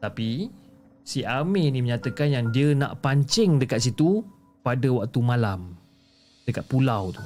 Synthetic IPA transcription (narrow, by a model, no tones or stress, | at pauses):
t̪api | siʔamenĩməɲat̪əkanjaŋdiəna̰ʔpaɲt͡ʃɪŋdəkat̪̚sit̪u | padəwak̚t̪umalam | d̥əkat̪̚pulawt̪u